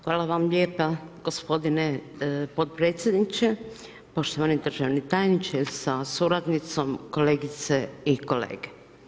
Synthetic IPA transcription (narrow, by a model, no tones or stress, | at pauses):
xʋaːlaʋamʎʲeːpaɡ̥o̞spo̞d̪ine | pot̪̚pɾe̞ːt̪sʲjed̪nit͡ʃe | po̞ʃt̪oʋanid̪r̩ʒaʋnit̪aːjnit͡ʃesasuɾad̪nit̪so̞mko̞leːɡit̪se̞iko̞lḛːɡe